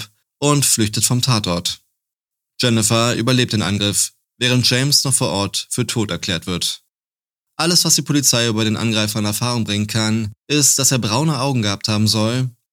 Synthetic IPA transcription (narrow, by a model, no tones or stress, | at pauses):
ʔʊntflʏçtətfɔmtʰaːtʔɔɐt | d͡ʒ̥ɛnɛfaʔy̰ːbɐleːp̚td̥eːnʔanɡʁɪf | v̥ɛːʁ̞ənt̚ʒ̥ɛɪmsnɔχfoːɐʔɔɐtfyːɐtʰoːtɛɐkl̥ɛːɐtv̥ɪɐt | ʔaləsv̥asd̥iːpʰolit͡saɪʔyːbɐɾeːnʔa̰nɡʁaɪfɐɪnɛɐfaːʁ̞ʊŋbʁɪŋənkʰanʔɪstd̥aseːɐbʁaʊnəʔaʊɡŋ̩ɡəhap̚thaːbm̩zɔl